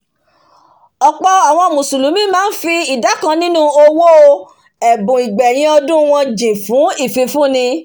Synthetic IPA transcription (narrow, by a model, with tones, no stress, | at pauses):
ɔ˨k͡pɔ˧a˨w̃ɔ̃˧˨mũ˨su˨lu˨˦mĩ˦mãː˦n̩˦fi˧i˨da˨˦kã˧nĩ˦nũ˦o˧wo˦o˧ | ɛ˨bũ˨i˨ɡ͡bɛ˨j̃ĩ˧ɔ˧dũ˦w̃ɔ̃˧d͡ʒĩ˨fũ˨˦i˦˨fi˧fũ˦nĩ˧